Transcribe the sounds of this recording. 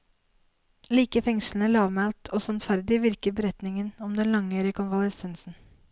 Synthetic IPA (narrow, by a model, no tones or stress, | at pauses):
liːkəfɛŋʂl̩n̩əəɾɑːʋmælt̪ʰoːsɑnd̪fæɾd̪ɪʋɪɾkəɾbəɾɛt̪nɪŋənɔmd̪ɛnlɑŋøːɾɪəkʰɔnʋɑlɛsɛnsn̩